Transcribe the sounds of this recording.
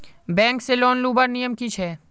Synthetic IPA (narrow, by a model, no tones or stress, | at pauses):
bɛ̃ːŋkselɔːnluːbəɾnijəmkit͡ʃʰɦɛː